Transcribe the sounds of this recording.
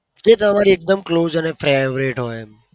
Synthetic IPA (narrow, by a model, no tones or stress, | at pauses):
d͡ʒet̪ə̃əmaːɾiek̚d̪əmkloːzənefʰɾaeʋɾeːʈɦoːe